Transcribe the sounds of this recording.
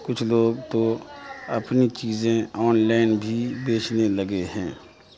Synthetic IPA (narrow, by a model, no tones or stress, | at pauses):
kʊt͡ʃʰloːɡt̪oɐpnit͡ʃiːzẽɔːnlaːɪnbʱibeːt͡ʃʰnelɐɡeɦɛ̃ː